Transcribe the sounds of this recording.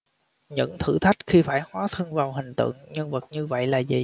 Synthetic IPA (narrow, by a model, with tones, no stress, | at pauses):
ɲɨ̰˧˥ŋt̪ʰɨ̰˧˩t̪ʰa˦˥jk̟̚xi˧faː˧˩jhwaː˨˦t̪ʰɨ˧əŋvaː˨˩wɦï˨˩ŋ̟t̪ɨ̰˧˨ŋɲə˧ŋvə˨˩t̚ɲɨ˧və̰˧˨jlaː˨˩zḭ˨˩